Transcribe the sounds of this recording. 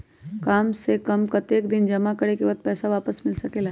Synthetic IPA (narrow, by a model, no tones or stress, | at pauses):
kaːmsekəmkɐt̪eːkd̪ɪnd͡ʒɐmakəɽekeʋət̪̚pɛːsaʋaːpəsmɪlsəkeːla